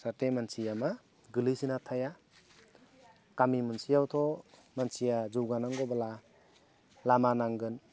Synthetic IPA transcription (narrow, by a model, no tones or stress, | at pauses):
satemansijama | ɡɯlisinat̪ʰaja | kamimunsijawt̪ʰɔ | mansijazuwɡanaŋɡɔbala | lamanaŋɡɯn